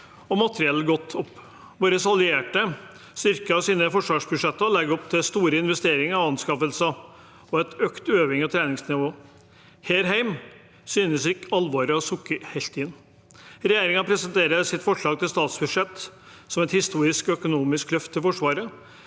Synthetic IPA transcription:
ɔmɑt̪ɾɪɛlːəɡɔt̪ʰːɔpː | ʋoːɾəsɑlʏeːʈə | st̪ʏɾkəɑsiːnəfɔʂʋɑːʂbʉdʂɛt̪ːəlɛɡɔpt̪ʰɪlst̪uːɾəɪnʋɛst̪eːɾɪŋɑʋɑnskɑfəlsə | ɔɛt̪ʰøːkt̪øːʋɪŋɔt̪ʰɾɛːnɪŋsnɪʋoː | heːɾɦæɪm | syːnəsɪkɑlʋɑːɾəɑsʊkːəɾhɛlt̪ɪnː | ɾɛjeːɾɪŋɑpʰɾɛsənt̪ʰeːɾəsɪt̪fɔʂɭɑːɡ̚t̪ʰɪlst̪ɑːt̪sbʉʂɛt̪ː | sɔmɛt̪hɪst̪uːɾɪskœkʊnuːmɪsklœft̪ʰːɪlfɔʂʋɑːɾə

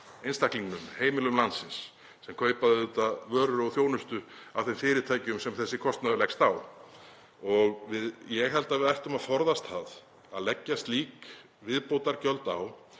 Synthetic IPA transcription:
ejnst̪ahkliŋkʏmheːjmɪlʏmlansɪnsː | ɛmkʰœːɥpaðʏʏt̪avœːɾʏɾɔɣθjownʏst̪ʏawθemfɪːɾɪt̪ʰaːjcʏmsɛmθɛsːɪkʰɔst̪naðʏlɛkst̪aw | ɔɣvɪðjɛɣɦɛlt̪avɪðajht̪ʏmaðfɔɾðast̪hað | aðlɛcːast̪liːk | vɪðpowt̪aɾcœlt̪aw

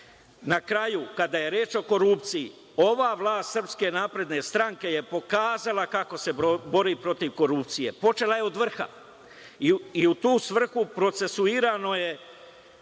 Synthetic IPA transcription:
nakɾajukad̪aje̞ɾjeːt͡ʃo̞ko̞ɾuːpt̪sijḭ | o̞ʋaːʋlˠaːst̪sr̩pske̞naːpɾe̞d̪ne̞st̪ɾaŋke̞je̞po̞kaːzalakako̞se̞bo̞ɾiːpɾo̞t̪iʋko̞ɾupt̪sije̞̰po̞t͡ʃe̞lajeo̞d̪ʋr̩xa̰ | iut̪uːsʋr̩xupɾo̞t̪se̞suiːɾano̞je̞

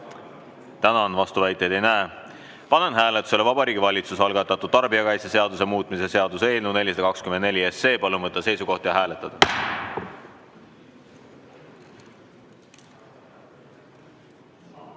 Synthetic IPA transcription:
t̪ænɑnvɑst̪uvæjt̪ːˑe̞jd̪̥e̞jnæe | pɑne̞nɦæːlet̪ːˑu̥se̞le̞vɑb̥ɑɾiːɡivɑlʲit̪susɑlɡɑt̪ːˑɑt̪ːˑud̪̚t̪ɑrbiɑkɑjsjɑse̞ɑd̪use̞muːt̪ːˑmise̞se̞ɑd̪use̞ːlnune̞lʲːis̬ɑd̪ɑkɑkskymend̪nelʲie̞sːe̞ːpɑlunvɤt̪ˑːɑse̞jsuko̞ht̪jɑɦæːlet̪ːˑɑd̪̥ɑ

